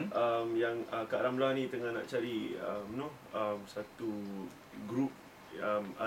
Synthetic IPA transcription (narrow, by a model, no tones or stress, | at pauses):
ʔamjaŋəkaʔɾamlanĩt̪əŋahna̰ʔt͡ʃaɾiəmnu | əmsat̪u | ɡɾup̚ | əma